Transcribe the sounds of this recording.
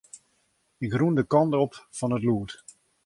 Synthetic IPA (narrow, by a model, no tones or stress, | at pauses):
ɪkrundəkɑntopfɔnətluət